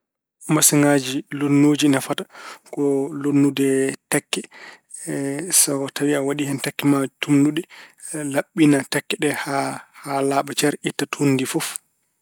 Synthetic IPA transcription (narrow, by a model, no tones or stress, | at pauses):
masiŋad͡ʒilonːoːd͡ʒinafatḁkɔlonːudɛtakːɛ | sɔkɔtʰawiawaɗihɛntakːɛmatumnudɛ | laɓːinatakːɛɗɛhahalaːɓat͡ʃɛɾitːatʰonːdifɔf